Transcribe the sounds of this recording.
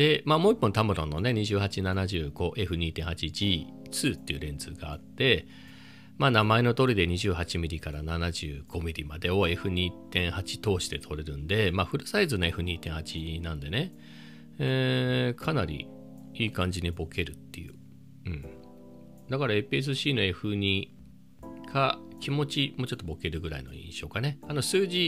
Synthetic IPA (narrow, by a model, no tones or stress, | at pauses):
d̪̥e̞maːmo̞ːipːõnt̪amɯ̟ɾõ̞nːo̞ne̞ɲ̟iʑɨːhat͡ɕinanaʑɨːɡ̥o̞ʔe̞ɸɯ̟ɲ̟iːt̪ẽ̞ɰ̃hat͡ɕid͡ʑiː | t͡sɨːt̪ːe̞iɯ̟ɾẽ̞nd͡zɨːɡaːt̪ːe̞ | maːnamae̞no̞t̪oɾʲid̪e̞ɲ̟iʑɨːɦat͡ɕimʲiɾʲikaɾananaʑɨːɡ̥o̞mʲiɾʲimad̪e̞o̞e̞ɸɯ̟ɲ̟iːt̪ẽ̞ɰ̃hat͡ɕi̥t̪o̞ːɕi̥t̪e̞t̪ʰo̞ɾe̞ɾɯ̟̃nd̪e̞maːɸɯ̟ɾɯ̟saizɨnoe̞ɸɯ̟ɲ̟iːt̪ẽ̞ɰ̃hat͡ɕinãnd̪e̞ne̞ | ekʰanaɾʲḭ | iːkãɲ̟d͡ʑiɲibo̞ke̞ɾɯ̟t̪ːḛjɯ̟̰ | ɯ̟̃ɴ | d̪akaɾaepɯes̬ɨɕiːno̞e̞ɸɯ̟ɲ̟i | kʰakʲimo̞t͡ɕimo̞ːt͡ɕo̞t̪ːo̞bo̞ke̞ɾɯ̟ɡɯ̟ɾa̰ḭno̞̰ḭ̃ɕo̞ːkane̞ano̞sɨːʑi